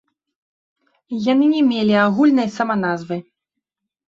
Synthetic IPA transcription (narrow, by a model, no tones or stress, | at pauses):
janɨnʲɛmʲelʲiaɣulʲnɐjsɐman̪azvɨ